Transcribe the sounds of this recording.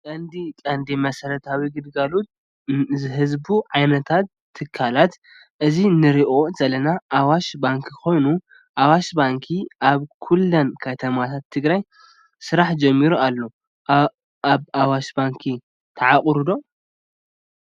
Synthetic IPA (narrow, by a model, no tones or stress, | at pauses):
kʼɐnd̪ikʼɐnd̪imɐsɐɾɐt̪ʰawiɡɨd̪ɡalut̪̚ | zɨɦɨzbuʕajnɐt̪ʰat̪ʰːɨkʰːalat̪ | ʔɨzinɨɾiʔo̞z̥ɐlɐnaʔːwaʃbaŋkʰikʰo̞jnu | ʔawaʃbaŋkʰiʔaβkʰulːɐnkʰɐt̪ʰɐmat̪ʰat̪ʰːɨɡɾaj | sɨɾaħd͡ʒɐmːiɾualːo | aβawaʃbaŋkʰi | t̪ʰɐʕakʼɾud̪o̞